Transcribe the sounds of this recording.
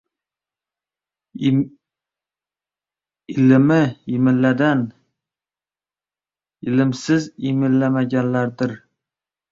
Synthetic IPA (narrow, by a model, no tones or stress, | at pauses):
ɪlɪmɪjɪmɪllːad̪an | ɪlɪmsɪzimɪlːamaɡʲanlaɾd̪ɪɾ